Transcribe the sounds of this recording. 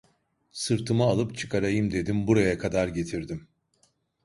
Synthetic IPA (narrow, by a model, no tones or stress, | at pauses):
sɯɾt̪ʰɯmaːlˠɯpt͡ʃʰɯ̥kʰaɾajɯmd̪e̞d̪imbuɾajakʰad̪aɾɟe̞t̪ʰiɾd̪im